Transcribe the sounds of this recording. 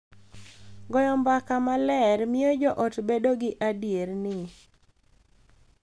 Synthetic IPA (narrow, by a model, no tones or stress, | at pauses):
ɡɔjɔmbakamalɛɾmɪod͡ʒɔʔɔtbedoɡɪʔadjeɾnɪ